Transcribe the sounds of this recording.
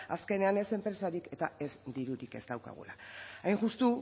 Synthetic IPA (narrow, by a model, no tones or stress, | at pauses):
aske̞ne̞ane̞se̞mpɾe̞saɾike̞t̪ae̞zd̪iɾuɾike̞zd̪awka̰ɣ̞ṵlaajnʝust̪u